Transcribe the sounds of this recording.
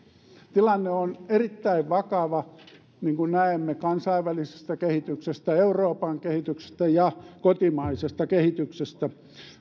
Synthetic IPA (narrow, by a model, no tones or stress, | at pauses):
t̪ilɑnːeonerit̪ːæiʋʋɑkɑʋɑ | niːŋkunnæemːekɑnsɑiʋʋælise̥st̪ækehit̪yksest̪æeuroːpɑŋkehit̪ykse̥st̪æjɑkot̪imɑisest̪ɑkehit̪yksest̪æ